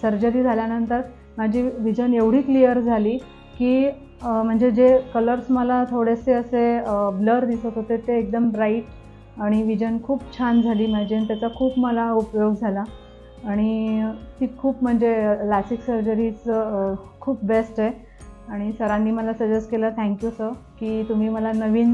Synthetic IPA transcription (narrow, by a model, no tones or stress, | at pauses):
səɾd͡ʑəɾiːd͡zʱaljanənt̪əɾ | mad͡ʑʱiːʋid͡ʑəneʋɽ̤iːklijəɾd͡zʱaliː | kiː | m̤əɳd͡zed͡ʑekələɾsməlat̪ʰoɽeseəsebləɾd̪isət̪ɦot̪et̪eːk̚d̪əmɾaiʈ | aɽ̃iʋid͡ʑənkʰuːpt͡ɕʰand͡zʱaliːmad͡ʑent̪jat͡sakʰuːpməlaupjoɡd͡zʱalaː | ɽ̃it̪iːkʰuːpm̤əɳd͡zelasiksəɾd͡ʑəɾiːt͡s | kʰuːp̚besʈe | aɽ̃isəɾãnːiːməlasəd͡ʑəskelat̪ʰɛ̃ŋkjusəɾkiːt̪um̤iːməlanəʋiːn